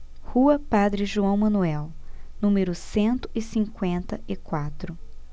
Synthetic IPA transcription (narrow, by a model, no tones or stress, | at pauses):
huɐpad̪ɾɪʒuɐ̃w̃mɐ̃nuɛwnũmeɾʊsẽnt̪ʊ̥ɪsĩŋkwẽnt̪ɐɪkwat̪ɾʊ